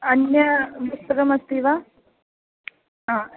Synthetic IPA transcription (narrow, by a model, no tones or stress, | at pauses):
ɐnjɐpust̪ɐkɐmɐst̪iʋa | ɦaː